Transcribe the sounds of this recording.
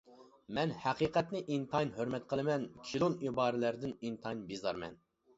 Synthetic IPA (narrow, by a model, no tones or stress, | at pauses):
mɛnhæqiːqʰɛt̪nɪʔint̪ʰɑjnhøɾmɛt̪̚qʰəlˠɨmɛnkʲʰilˠonibɑːɾɪlæɾd̪ɪnint̪ʰɑjnbizɑ̰ɾmɛ̰n